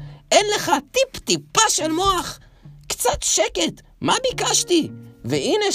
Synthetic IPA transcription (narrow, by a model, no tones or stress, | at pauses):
ʔenleχat̪ipt̪ipaʃelmo̞aχ | kt͡sat̪ʃeket̪ | mabikaʃt̪iveine